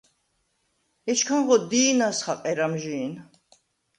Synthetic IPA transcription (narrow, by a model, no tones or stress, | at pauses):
ɛt͡ʃkʰanʁɔd̪iːnasχaqʼɛɾamʒiːn